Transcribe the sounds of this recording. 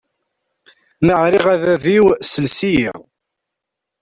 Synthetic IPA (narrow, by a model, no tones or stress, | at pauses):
məʕɾiʁæðæðiwsəlsijḭʁ